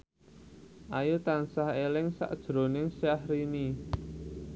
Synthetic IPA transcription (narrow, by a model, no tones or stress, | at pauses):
ʔajut̪ansahelɪŋsa̰ʔd̥ʒ̥ɾo̤nɪŋsahɾini